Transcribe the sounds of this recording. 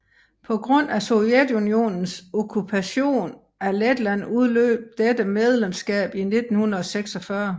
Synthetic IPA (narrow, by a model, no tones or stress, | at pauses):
pʰɒ̽ɡ̥ʁɔ̽n̰æso̝jed̥unio̝̰ːnn̩sɔkʰupʰæɕo̝̰ːn | æɐled̥lænuð̞ˠlø̰ːb̥̚d̥ed̥əmeð̞ˠlemsɡ̥ɛ̰ːb̥ine̝d̥n̩hunɐðˠɒ̽seɡ̥sɒ̽fɶɐ